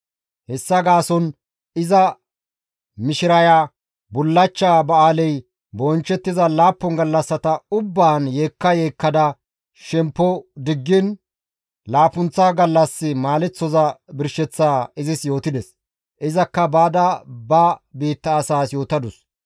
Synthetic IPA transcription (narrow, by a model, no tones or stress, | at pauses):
hɛsːɐɡaːsɔn | ɪzɐ | mɪʃɪɾɐja | bʊlːɐt͡ʃːaːbɐaːlɛj | bɔnt͡ʃːɛt̪ːɪzɐlaːpːɔŋɡɐlːɐsːɐt̪ɐʊbːaːnjeːkːɐjeːkːɐd̪ɐ | ʃɛmpːɔd̪ɪɡːɪn | laːpʊnt͡sːɐɡɐlːɐsːɪmaːlɛt͡sːɔzɐbɪɾʃɛt͡sːaːɪzɪsjo̞ːt̪ɪd̪ɛs | ʔɪzɐkːɐbaːd̪ɐbɐbiːt̪ːɐːsaːsjo̞ːt̪ɐd̪ʊs